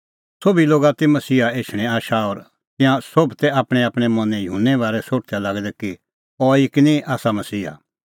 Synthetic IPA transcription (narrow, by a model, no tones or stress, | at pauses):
sobiloːɡat̪imɐsiːɦaeːʃʰɽ̃ɛ̃aːʃaɔːɾ | t̪ɪ̃jãsobʱt̪ɛaːpɽ̃ɛaːpɽ̃ɛmɐ̃nɛ̃jʊɦunːɛʋaːɾɛsoːʈt̪ʰalaɡd̪ɛki | ɔɪknĩaːsamɐsiːɦa̰